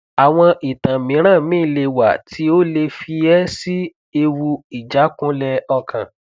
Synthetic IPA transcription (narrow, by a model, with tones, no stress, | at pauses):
a˨w̃ɔ̃˧ʔi˨tã˨mĩ˨˦ɾ̃ã˦˨mĩ˦˨le˧wa̰˨tʰi˨˦o˦le˧fi˧ɛ˦si˦ | e˧wu˧i˨d͡ʒa˨˦kũ˦lɛ˧ɔ˧kʰã̰˨